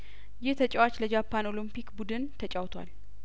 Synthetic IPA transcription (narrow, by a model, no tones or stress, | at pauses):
jɪht̪ʰət͡ʃʼɛwat͡ʃləd͡ʒapʰːano̞limpʰikbud̪ɨnt̪ʰət͡ʃʼawt̪ʰwa̰l